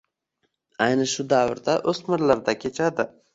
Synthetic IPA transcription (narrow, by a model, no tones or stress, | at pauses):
ajnɪʃʊd̪awɪɾd̪aʔɵsmɪɾlaɾd̪akʲʰe̞t͡ʃʰad̪ɪ